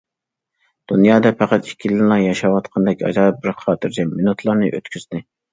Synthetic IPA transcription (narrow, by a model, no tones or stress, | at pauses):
d̪̥unjɑːd̪ɛpʰæqæt̪ikʲʰːilɪnlˠɑjɑʃɑwɑt̪qʰɑnd̪ɛkʲɑ̰d͡ʒ̪ɑːp̚bɪɾχʰɑːt̪ʰɨɾd͡ʒɛminut̪ʰlˠɑɾnɨʔø̰t̪kʲʰyznɪ